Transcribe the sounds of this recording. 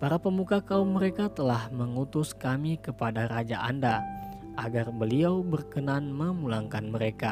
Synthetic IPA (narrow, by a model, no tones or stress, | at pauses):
paɾapəmukakaumːəɾekat̪əlahməŋut̪ʊskamikəpadaɾad͡ʒaʔa̰nda | ʔaɡarbəliawbərkənanməmulaŋkanməɾeka